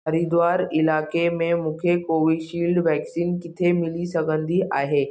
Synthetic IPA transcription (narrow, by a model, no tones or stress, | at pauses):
əɾid̪ʋaːɾɪlaːkemẽmũːkʰekoːʋiʃiːlɖʋɛːksiːnkɪt̪ʰemɪlisəɡə̃nd̪ʱiʔaːɦeː